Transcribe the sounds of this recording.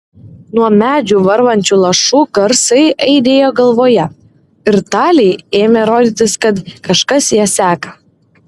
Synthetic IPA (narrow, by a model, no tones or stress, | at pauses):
nuɔmʲæːd͡ʒʲuːʋɐɾʋɐnʲt͡ʃʲuːlˠɐʃuːɡɐɾsɐɪʔɐɪd̪ʲeːjoːɡɐlˠʋoːjɛ | ɪɾt̪ɑːlʲɛɪeːmʲɛɾoːd̪ʲiːt̪ʲɪskɐt̪kɐʃkɐsjiːsʲæːkɐ